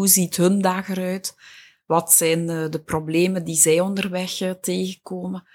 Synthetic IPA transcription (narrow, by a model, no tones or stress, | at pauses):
ɦuzitɦəndaːɣəɾœɥt | ʋɑtsɛjndəprobleːməndizɛjɔndərʋɛxəteːɣəkoːmə